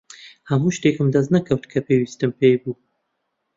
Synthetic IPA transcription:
hɐmuːʃt̪eːkɨmd̪ɐznɐkʰɐwt̪kʰɐpʰeːwiːst̪ɨmpʰejbuː

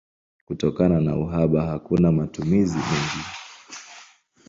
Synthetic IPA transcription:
kutɔkanana̰uɦaɓaɦakunamatumizimɛŋɡi

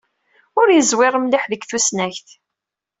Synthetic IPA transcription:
ʊɾjəzwɪɾˤəmlɪħðəɡθusnæçθ

